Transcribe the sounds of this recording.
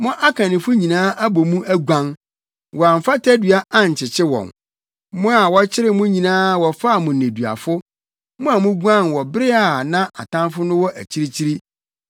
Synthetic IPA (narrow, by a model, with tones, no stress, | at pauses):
mɔ̃˦ʔa˦kʰã˨nɪ̃˨fʊ˦ɲĩ˨nãː˦ʔa˦bɔ˨mũ˦ʔæ˦ɡʷã˦n | wɔ˨a˨m̩˨fa˦tʰæ˦dɥa˦ʔa˦ɲ̩˨t͡ɕʰɪ˨t͡ɕʰɪ˦wɔ̰̃˨n | mʊ̃˦a˨wɔ˦t͡ɕʰɪ˦ɾɪ˦mʊ̃˦ɲĩ˨nãː˦wɔ˨fa˦˨mʊ̃˨n˨ẽ˨du˨a̰˨fʊ˦ | mʊ̃˦a˨mʊ̃˦ɡã˦˨nwɔ˨bɾɪ˦a˨nã˦a̰˨tʰã˦nfʊ˦nʊ̃˦wɔ˦ʔæ˨t͡ɕʰi˦ɾi˦t͡ɕʰi˦ɾi˦